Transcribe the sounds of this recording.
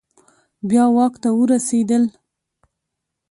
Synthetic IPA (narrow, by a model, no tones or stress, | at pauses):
bjɑwɑkt̪awəɾased̪əl